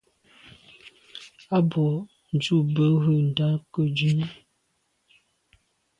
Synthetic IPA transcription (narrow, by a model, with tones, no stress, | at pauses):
a˦bɔ˨ | n˨d͡ʒu˦˨bə˦ɣə˦˨n̩˨da˦kə˦˨d͡ʒʉ˦n˦